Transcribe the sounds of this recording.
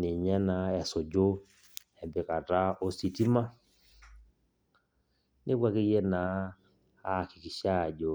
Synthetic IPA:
nɪ˨ɲɛ˦na˨ɛ˨so˨d͡ʒo˦ | ɛ˨mbɪ˨ka˨ta˦o˨si˨ti˦ma˦ | ne˦ɡwa˦˨ke˦jɛ˦na˨˦ | a˦˨kɪ˨ki˨ʃa˦˨d͡ʒo˨

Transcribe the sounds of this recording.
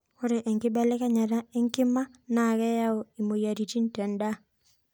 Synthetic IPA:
ko˦ɾe˨ʔɛ˨ŋkɪ˦bɛ˦lɛ˦ka˦ɲa˨ɾa˦e˦ŋkɪ˦ma˦na˨kɛ˦ja˦o˨i˨mo˨ja˨ɾi˨ti˦n˦tɛ˨nda˦

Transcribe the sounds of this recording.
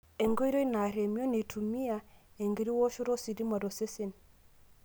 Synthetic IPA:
e˨ŋɡo˦jɾo˦i˦na˨ɾe˨mi˦o˦ne˨tʰu˨mi˦a˨e˨ŋɡi˨ɾi˦wo˦ʃo˦ɾo˦si˨di˦ma˨do˨se˦se˦˨n

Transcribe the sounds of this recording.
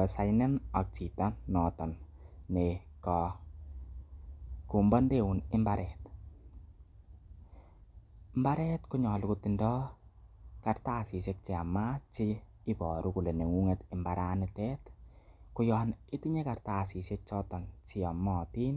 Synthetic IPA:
sa˦jnɛna˨k̚t͡ʃi˨tanɔtɔnːekɔ | ku˨mbɔ˦nde˦wunɪ˦mbaɾɛt | mba˦ɾɛ˦tkuɲɔ˨lʊ˨kutindɔ˦ | kartaːsi˨sek̚t͡ʃi˨a˨ma˦t͡ʃi | i˦pɔ˨ɾuku˨le˨ne˨ŋu˦ŋetɪ˨mbaɾʔanɪtɛ˦tkʊjɔːnɪ˦tiɲe˦kartasi˨sek̚t͡ʃɔtɔ˨nt͡ʃi˦a˨mɔti˦n

